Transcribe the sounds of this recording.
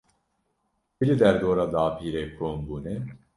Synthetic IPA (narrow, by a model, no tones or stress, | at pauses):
bilid̪ɛɾd̪oːɾaːd̪aːpʰiːɾeːkʰoːmbuːnɛ